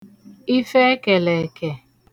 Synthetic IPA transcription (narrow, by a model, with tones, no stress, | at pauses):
i˦fe˦ke˨le˨ke˨